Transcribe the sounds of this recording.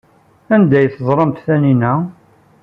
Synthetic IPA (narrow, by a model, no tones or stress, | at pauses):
ænd̪æjθəzˤɾˤəmt̪θæninæ